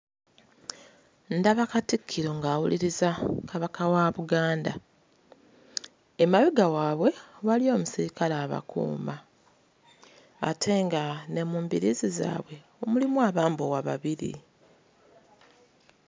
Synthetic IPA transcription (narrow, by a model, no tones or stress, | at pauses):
ndaβakatikʰːiɾo̞ŋɡaːwṵliɾizakʰaβakawaβuɡaːnda | emaβiɡawaːβwe̞βalio̞ːmusiɾikalaːβa̰kṵːmba | tʰe̞ŋɡane̞muːmbiɾiziza̰ːβwe̞ | omulimwaːβaːmbowaβa̰βiɾḭ